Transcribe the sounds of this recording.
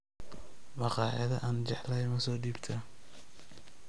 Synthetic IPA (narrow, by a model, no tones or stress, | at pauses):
mɑqɑːħɐðɐʔɐːnt͡ʃɛħlɐjmɐsɔːɖiːbt̪ʰɐ